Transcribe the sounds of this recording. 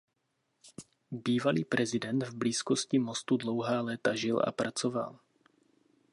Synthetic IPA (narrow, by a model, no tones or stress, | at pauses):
biːvaliːpɾʔɛzɪdɛnd̪vbliːskoscɪmost̪udlo̞wɦaːlɛːt̪aʒɪlʔa̰pɾat͡sova̰l